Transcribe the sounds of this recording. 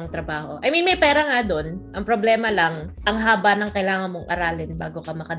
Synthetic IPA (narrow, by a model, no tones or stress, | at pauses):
ɐŋt̪ɾɐbaːho̞ʔɐjmɐnmɐjpɛːɾɐŋad̪o̞nʔɐŋpɾoblɛːmɐlɐŋʔɐŋɦaːbɐnɐŋkɐjlaːŋɐnmoŋʔɐ̰ɾaːlɪnba̰ːɡo̞kɐmɐkɐ